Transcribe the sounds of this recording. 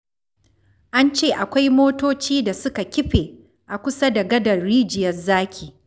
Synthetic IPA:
ʔa˦nt͡ʃeː˦˨ʔa˨kʷa˦jmoː˦toː˦t͡ʃiː˦da˨sʊ˦ka˨kʲɪ˦ɸeː˨ | ʔa˨kʷʊ˦sa˦da˨ɡɐ˦dɐ˨ɽiː˦d͡ʒɪ˨jɐ˦rzaː˦kʲiː˨

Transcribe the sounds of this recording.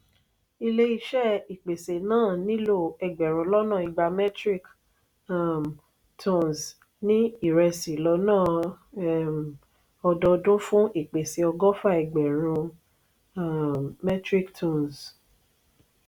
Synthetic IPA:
i˧le˦i˧ʃɛ˦˨i˨k͡pe˨se˨nãː˦˨nĩ˦lo˦˨ɛ˧ɡ͡bɛ˨ɾ̃ũ˧˦lɔ˦nã˦˨i˨ɡ͡ba˧mɛ˦tɾi˦˨k | tʰɔ̃˦˨ns | nĩ˦i˦˨ɾɛ˧si˨lɔ˨˧˦nãː˦˨ | ɔ˧dɔ˧dũ˦fũ˦ʔi˦˨k͡pe˨se˨˦ɔ˧ɡɔ˦fa˦˨ɛ˨ɡ͡bɛ˨ɾ̃ũ˧ | mɛ˦tɾi˦ktʰɔ̃˦˨ns

